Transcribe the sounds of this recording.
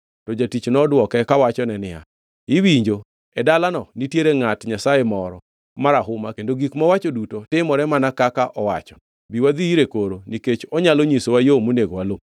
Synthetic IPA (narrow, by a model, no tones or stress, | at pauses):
tɔd͡ʒatit͡ʃnɔdwɔkɛkawat͡ʃɔnɛnɪja̰ | ɪwiɲd͡ʒo | ɛdalanɔnitjeɾeŋatɲasajemɔɾɔ | maɾaɦʊmakendoɡikmɔwat͡ʃodutotɪmɔɾɛmanakakaʔɔwa̰t͡ʃɔ̥ | biwad̪iiɾekoɾoniket͡ʃɔɲaloɲisowajomuneɡwalo